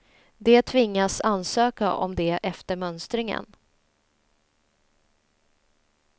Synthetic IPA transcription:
d̪ɛt̪ʰvɪŋːasansøːkaʔɔ̰md̪ɛʔɛft̪əɾmœnst̪ɾɪŋə̰n

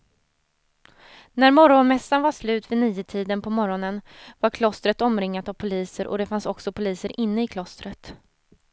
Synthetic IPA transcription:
næɾmɔɾɔnmɛsːanvaʂlʉ̟ːt̪vɪniːət̪ʰiːd̪ənpʰɔmɔɾɔnənvaɾkʰlɔst̪ɾət̪ɔmɾɪŋːat̪avpʰʊliːsəɾʔɔ̰d̪ɛfansɔksɔpʰʊliːsəɾʔɪnːəɪkʰlɔst̪ɾət̪

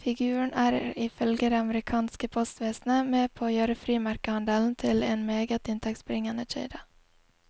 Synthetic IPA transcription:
fɪɡʉːəɳæːɾɪfœlɡəd̪eːɑməɾɪkʰɑːnskəpʰɔst̪ʋeːsn̩əmeːpʰoːoːjøːɾəfɾiːmæɾkəhɑnd̪əln̩t̪ʰɪleːnmeːɡət̪ɪnt̪ʰɛkt̪sbɾɪŋənət͡ʃḛɪd̪ə

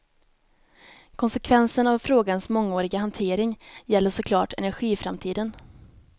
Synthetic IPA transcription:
kʰɔnsɛkʰvɛnsənavfɾoːɡansmɔŋːoːɾɪɡaɦant̪ʰeːɾɪŋjɛlːəʂɔkʰlɑːʈɛ̰næɾɧiːfɾamt̪ʰiːd̪ən

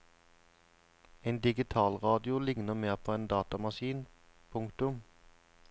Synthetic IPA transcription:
eɪnd̪ɪɡɪt̪ʰɑːlʁɑːd̪ɪʊlɪŋnəmeːʁpʰoːeːnd̪ɑːt̪ɑmɑʃiːn | pʰʊŋkt̪ʊm

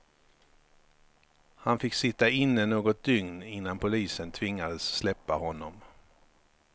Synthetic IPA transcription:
hanfɪkːsɪt̪ːaɪnːənoːɡɔt̪̚d̪ʏŋnɪn̪ːanpʰʊliːsənt̪ʰvɪŋːad̪əsːlɛpːahɔnːɔm

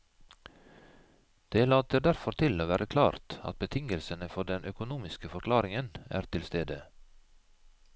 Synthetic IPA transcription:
d̪̥eːlɑːt̪əd̪æɾfɔɾt̪ʰɪloːʋæːɾʔəkʰlɑ̰ːɾt̪ɑ̰t̪̚bət̪ʰɪŋəlsənəfɔɖɛnʔœkʊnuːmɪskəfɔɾkʰlɑːɾɪŋənæ̰ːɾt̪ʰɪlst̪eːd̪ə

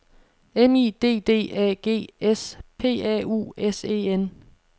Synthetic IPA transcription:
enḭːd̥e̝̰ːd̥e̝̰ːɛ̰ːɡ̥e̝̰ːespʰe̝̰ːɛ̰ṵːese̝̰ːen

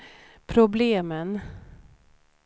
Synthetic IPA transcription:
pʰɾʊbleːmən

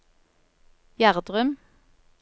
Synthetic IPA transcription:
jæʁd̪ʁœm

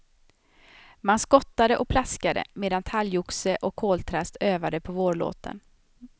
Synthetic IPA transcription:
manskɔt̪ːad̪əʔɔk̚pʰlaskad̪ə̰meːd̪ant̪ʰaljʊksəʔɔkʰːoːlt̪ʰɾast̪øːvad̪əpʰɔvoːɭo̰ːt̪ə̰n

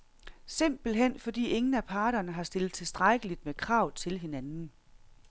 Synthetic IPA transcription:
se̝m̰b̥l̩ɦen̰fɒ̽d̥ḭːe̝ŋn̩æpʰɑ̈ːɾ̥ɐnəɦɑ̈sd̥e̝lð̩ˠt͡sʰe̝lsd̥ʁaɡ̥əlid̥mekʰʁɑ̈ʊ̰ðˠt͡sʰe̝lɦe̝nænn̩

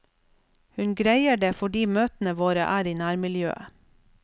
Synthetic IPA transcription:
hʉnɡɾæɪəɖeːfɔɖiːmøːt̪n̩əʋoːɾə̰ʔæːɾiːnæːɾmɪljø̰ːə̰

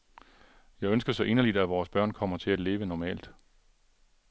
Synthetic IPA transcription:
jɑ̈ɪønsɡ̥ɐsɒ̽ʔe̝nɐlid̥æʋɒːsb̥ɶɐ̰nkʰɒ̽m̰ɐt͡sʰe̝æle̝ːʋənɒmɛ̰ːld̥

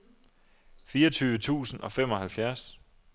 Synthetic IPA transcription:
fiːɐʌt͡sʰyːʋət͡sʰṵːsn̩ɒ̽fem̰ɒ̽ɦælfjæɐs

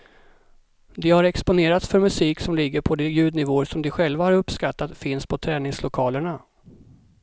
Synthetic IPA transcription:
d̪ɛhaɾɛkspʊneːɾat̪sfœɾmɵsiːksɔmlɪɡːəɾpʰɔd̪ɛjʉ̟ːd̪nɪvoːsɔmd̪ɛɧɛlvahaɾɵpːskat̪ːat̪fɪnspʰɔt̪ʰɾɛːnɪŋslʊkʰɑːləɳa

